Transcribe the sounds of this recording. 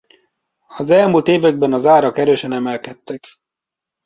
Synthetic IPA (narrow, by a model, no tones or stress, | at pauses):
ɒzɛlmuːlt̪eːvɛɡ̚bɛnɒzaːɾɒkɛɾøːʃɛnɛmɛlkɛt̪ːɛk